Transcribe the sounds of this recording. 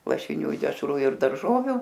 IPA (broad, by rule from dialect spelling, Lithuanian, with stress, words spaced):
lˠɐʃʲɪˈnʲuː ɪ dʲɛʃˈruː ɪr dɐrˈʒoːʋʲʊ